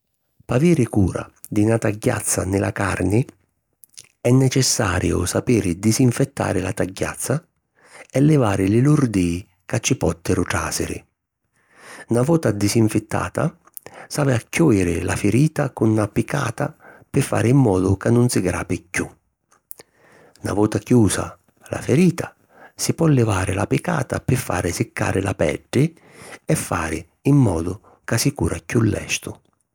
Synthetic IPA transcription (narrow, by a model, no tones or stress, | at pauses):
paviːɾɪkuːɾa̰ | d̪ɪnat̪aɟːa̰t̪sːanɪla̰karnɪ | ɛnːɛt͡ʃɛsːaːɾjʊ̰sapiːɾɪd̪isiɱfɛt̪ːa̰ːɾɪlat̪aɟːa̰t̪sːa | ɛlːɛvaːɾɪlɪluɾd̪i | kat͡ʃːɪpɔt̪ːɛɾʊʈ̪ɾa̰ːsɪ̰ɾɪ̰ | navɔːt̪ad̪isiɱfɪt̪ːa̰ːt̪a̰ | saːvɪakːɔːjɪɾɪlafɪɾiːt̪akunːapɪka̰ːt̪apɪfːa̰ːɾɪimːɔːd̪ʊkanːʊnsɪɡɾa̰ːpɪkːu | na̰vɔːt̪akjuːsa̰ | la̰fɪɾiːt̪ʰa | sɪpɔlːɪvaːɾɪlapɪka̰ːt̪apɪfːa̰ːɾɪsɪkʰːa̰ːɾɪla̰pɛ̰ɖːɪ | ɛfːaːɾɪ | imːɔːd̪ʊ | kasikuːɾakjulːɛ̰ʃt̪ʊ